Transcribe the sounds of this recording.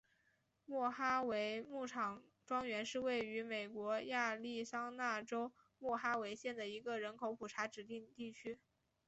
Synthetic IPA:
mwɔ˥˩xa˥we˧˥ɪmu˥˩ʈ͡ʂʰɑ˨˩ŋ | ʈ͡ʂwɑ˥ŋɥɛ˧˥nʂɻ̩˥˧we˥˩ɪy˧˥me˨˩ɪkwɔ˧˥ja˥˧li˥˩sɑ˥ŋna˥˩ʈ͡ʂo˥ʊ | mwɔ˥˩xa˥we˧˥ɪɕjɛ˥˩nd̪ə˩i˧˥ɡə˧ɻə˧˥nkʰo˧˥ʊpʰu˨˩ʈ͡ʂʰa˧˥ʈ͡ʂɻ̩˨˩t̪i˥˧ŋt̪i˥˩t͡ɕʰy˥

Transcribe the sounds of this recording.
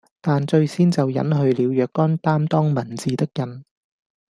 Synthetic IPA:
t̪aː˨nt͡ʃɵ˧ɥsiː˥nt͡sɐ˨wjɐ̰˨˥nɦɵ˧ɥliː˨˧wjœː˨kːɔː˥nt̪aː˥mt̪ɔː˥ŋmɐ˨˩nt͡siː˨t̪ɪ˥k̚jɐ˨˧n

